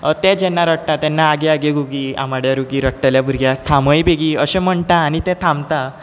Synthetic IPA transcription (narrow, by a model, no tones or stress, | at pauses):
ət̪ɛ̃d͡ʑɛnːaɾəʈʈat̪ɛnːaːɡeaɡeɡuɡia̰maɽjaɾuɡiɾəʈʈaljabʱuɾɡjat̪ʰãməjbeɡiəɕɛ̃m̤əɳt̪aːɽ̃it̪ɛ̃t̪ʰãmt̪a